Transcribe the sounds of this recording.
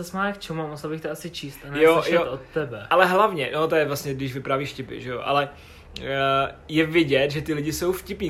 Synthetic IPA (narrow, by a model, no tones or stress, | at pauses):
asmaːakt͡ʃɛmamusɛlbɪxt̪ɛasɪt͡ʃiːst̪anjoʃjɛoot̪ːɛbɛalɛɦlavɲɛno̞t̪ojɛvlasɲɛɡdɪʒvɪpɾaːviːʃcɪpɪ̰ʒɛjo̰ʔa̰lɛ | jɛvɪɟɛt̪ʒɛt̪ɪlɪɟɪso̞wfcɪpɲiː